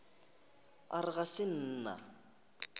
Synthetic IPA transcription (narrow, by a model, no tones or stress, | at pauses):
a̰ɾɪɣasɪn̩ːna̰